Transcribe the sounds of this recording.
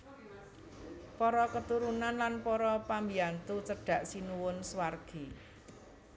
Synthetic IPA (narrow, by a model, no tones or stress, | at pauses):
pɔɾɔkət̪uɾunanlanpɔɾɔpambiant̪ut͡ʃəɖ̥a̤ʔsinuwʊnswarɡ̥i